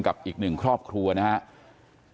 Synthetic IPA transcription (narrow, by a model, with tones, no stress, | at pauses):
ŋka˨˩p̚ʔiː˨˩k̚nɯ˨˩ŋkʰɾɔː˥˩p̚kʰɾu˧ɐna˦˥ha˦˥ʔ